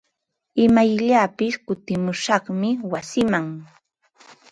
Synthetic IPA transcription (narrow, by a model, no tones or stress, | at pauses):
ɪmajʎapɪskʊt̪ɪmʊʃɑχmɪwasɪmaŋ